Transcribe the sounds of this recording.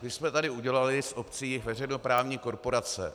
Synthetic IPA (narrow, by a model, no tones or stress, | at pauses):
mɪsmɛt̪adɪuɟɛlalɪsʔopt͡siːvɛr̝ɛjno̞pɾaːvɲiːko̞ɾpo̞ɾat͡sɛ̰